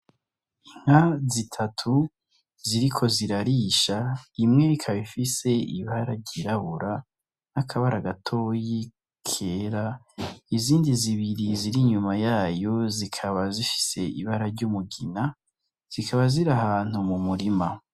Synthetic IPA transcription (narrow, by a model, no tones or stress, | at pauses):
iŋ̥hazitʰatʰu | ziɾikʰo̞ziɾaɾiːʃaimŋe̞ikʰaβifise̞ḭβaɾaɟiɾaβuɾa | nakʰaβaɾaɡatʰo̞ji | kʰeːɾa | iziːndiziβiɾiziɾiɲumajaːjo̞zikʰaβazifi̥se̞ḭβaɾaɾɟumuɡina | z̥ikʰaβaziɾaɦaːn̥humumuɾima